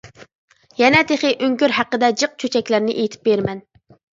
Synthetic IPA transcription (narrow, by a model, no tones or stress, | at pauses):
jɛnɛt̪ʰeχɪʔøŋkʲyɾɦæqːəd̪ɛd͡ʒɨq̚t͡ʃʰøt͡ʃʰɛkʲlæɾnɪʔejit̪ʰɪ̥p̚beɾmɛn